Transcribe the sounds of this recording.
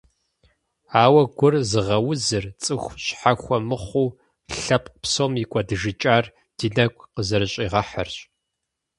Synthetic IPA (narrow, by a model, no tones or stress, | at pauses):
aːwɐɡʷʊrzɨʁɐwʊzɨrt͡sʼɨxʷɕħaxʷɔmɨχʷuː | ɬɐpʼpsoːmikʷʼɐdɨʒɨt͡ʃʼaːr | d̥iːnɐkʷʼqəzɐɾɨɕʼiːʁɐħə̰rɕ